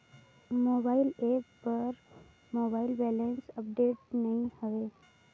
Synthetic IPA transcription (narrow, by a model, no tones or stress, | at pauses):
moːbaːɪleːppəɾ | moːbaːɪlbɛːlensəp̚ɖeːʈnɐɦĩhəʋeː